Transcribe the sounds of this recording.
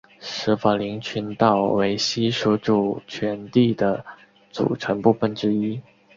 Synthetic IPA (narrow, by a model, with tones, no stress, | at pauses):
ʂɻ̩˧˥fa˨˩li˧˥ŋt͡ɕʰy˧˥nt̪ɑ˥˩ʊwe˧˥ɪɕi˥ʂu˧˥ʈ͡ʂu˨˩t͡ɕʰɥɛ˧˥nt̪i˥˩d̪ə˩ | t͡sṵ˨˩ʈ͡ʂʰə˧˥npu˥˧fə˥˩nʈ͡ʂɻ̩˥i˥